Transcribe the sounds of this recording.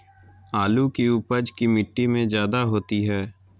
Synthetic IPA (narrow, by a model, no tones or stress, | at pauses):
aːlukiuːpəd͡ʒkimɪʈːimẽzjaːd̪aɦoːt̪iɦɛː